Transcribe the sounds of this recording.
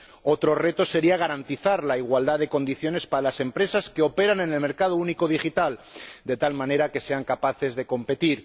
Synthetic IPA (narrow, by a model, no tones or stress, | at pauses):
o̞t̪ɾo̞re̞t̪o̞se̞ɾiaɣ̞aɾant̪iθaɾlaiɣwald̪aðe̞ko̞nd̪iθjo̞ne̞spaɾalase̞mpɾe̞saske̞o̞pe̞ɾane̞ne̞lme̞ɾkað̞ouniko̞ð̞ixit̪ald̪e̞t̪almãne̞ɾake̞se̞aŋkapaθe̞zðe̞ko̞mpe̞t̪iɾ